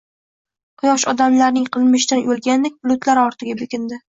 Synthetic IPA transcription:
qʰʊjɒʃɒd̪amlaɾnɪŋqʰɨlˠmɪʃd̪anjolˠɡʲand̪ekʲblˠʊt̪laɾɒɾt̪ʰɪɡʲabekʲɪnd̪ɪ

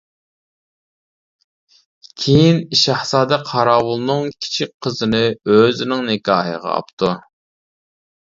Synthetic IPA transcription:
kʲʰejiniʃɑhsɑːd̪ɛqʰɑɾɑːwulˠnɨŋkʲʰi̥t͡ʃʰik̚ʲqʰəzɨnɨøzɪnɪŋnɪkʲɑːɦə̰ʁɑ̰ɑ̰p̚t̪ʰu

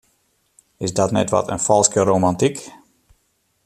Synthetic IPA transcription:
ɪsdɔtnɛtʋɔ̰tʰə̰nfɔlˠskəɾowmantik

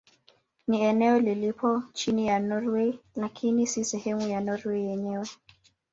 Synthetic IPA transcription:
niɛnɛɔlilipʰɔt͡ʃinijanɔɾwelakʰinisisɛhɛmujanɔɾweijɛɲɛwɛ

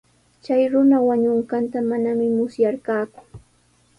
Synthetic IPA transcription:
t͡ʃajɾʊnawaɲʊɴɢɑnt̪amanamɪmʊsjaɾkaːkʊ̥

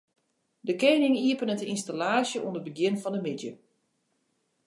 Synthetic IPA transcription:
dəkeːnɪŋiəpənətəinstalaːsjəʔṵndəbəɡjɪnfɔndəmɪdjə

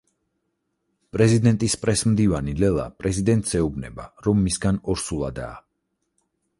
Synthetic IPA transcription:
pʼɾɛzid̪ɛnt̪ʼispʼɾɛsmd̪ivanilɛlˠa̰pʼɾɛzid̪ɛnt̪ʼsɛubnɛ̰baɾɔmːisɡanɔɾsulˠad̪a̰ː

